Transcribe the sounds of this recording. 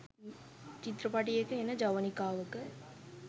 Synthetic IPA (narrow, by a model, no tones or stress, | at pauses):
t͡ʃit̪ɾɐpɐʈːijekːɯenːɐd͡ʒɐʋɐnikːaːʋɯkːɯ